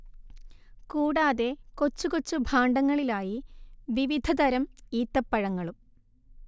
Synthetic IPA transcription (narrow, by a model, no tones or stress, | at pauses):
kuːɽaːðe̞ko̞t͡ɕːukot͡ɕːubʱaːɳɖɐŋːɐɭilaːjiʋiʋid̪ʱɐd̪ɐɾɐmiːt̪ːɐpːɐɻɐŋːɐɭum